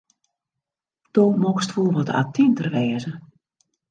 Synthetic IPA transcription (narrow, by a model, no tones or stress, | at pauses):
d̥omɔkstfulˠʋɔtʰa̰ːtʰintərʋɛːzə